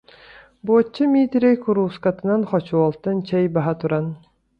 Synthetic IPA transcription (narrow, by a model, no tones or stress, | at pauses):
boːt͡ɕːɯmʲiːt̪iɾejkuɾuːskat̪ɯ̆nanχɔt͡ɕuɔlˠt̪ɯnt͡ɕɛjbaɦat̪uɾan